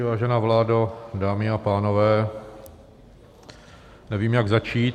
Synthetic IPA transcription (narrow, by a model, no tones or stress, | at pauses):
vaːʒɛnaːvlaːdadaːmɪapaːno̞vɛː | nɛviːmjaɡzat͡ʃiːt̪